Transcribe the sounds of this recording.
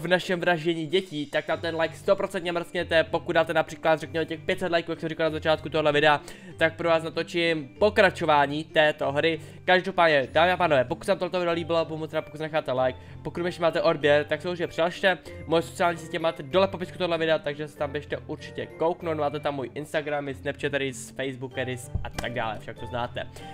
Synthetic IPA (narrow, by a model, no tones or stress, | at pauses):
vnaʃɛmvɾaʒɛɲiːɟɛciːt̪ak̚t̪amt̪ɛnlajkst̪o̞pɾo̞t͡sɛnt̪ɲɛmɾskɲɛt̪ɛpo̞kudaːt̪ɛnapr̥iːklat̪rɛkɲɛmɛcɛxpjɛt̪sɛt̪lajkuːjaksɛmɾrɪkalnazat͡ʃaːt̪̚kut̪oɦolɛvɪdɛa | t̪ak̚pɾovaːs̬nat̪o̞t͡ʃɪmpo̞kɾat͡ʃo̞vaːɲiːt̪ɛːt̪o̞ɦɾɪ | kaʒdo̞paːdɲɛdaːmɪapaːnovɛːpo̞kut̪sɛamt̪olɛt̪ovɪdɛaliːbɪloabuumot͡snɛpokutsɛnɛxaːt̪ɛlajk̚ | pokut̪mɪɛʃɛmaːt̪ɛʔo̞dbjɛɾt̪aksɛmoriɲɛpr̥ɪlaʃt̪ɛmojɛsot͡ssɪaːlɲiːsicɛmaːt̪ɛdolɛpo̞pɪskut̪oɦodlɛvɪdɛat̪aɡʒɛsɛ̥t̪ambjɛʃt̪ɛʔuɾt͡ʃɪ̥cɛ̰ko̞wknowt̪maːt̪ɛt̪amːojʔɪnst̪aɡɾamɪsnɛp̚t͡ʃɛt̪ɛɾɪsfɛjzbukɛɾɪsʔat̪aɡ̚da̰ːlɛ̰fʃak̚t̪oznaːt̪ɛ̰